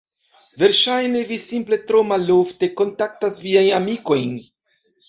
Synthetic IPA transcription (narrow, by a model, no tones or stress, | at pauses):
ve̞ɾʃajne̞visimple̞t̪ɾomalːoft̪e̞ko̞nt̪ak̚tasviajnamiko̞jn